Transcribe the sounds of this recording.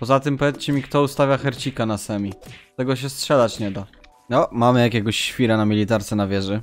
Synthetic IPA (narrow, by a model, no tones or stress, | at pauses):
pɔzat̪ɘmpɔvʲɛt͡s̪t͡ɕɛmʲikt̪ɔust̪avʲjaxɛɾt͡ɕikanasɛmʲit̪ɛɡɔɕ̬ɛstʂɛlat͡ɕɲɛd̪a | nɔmamɘjakʲɛɡɔɕːfʲiɾanamʲilʲit̪aɾt̪sɛnavʲjɛʐɘ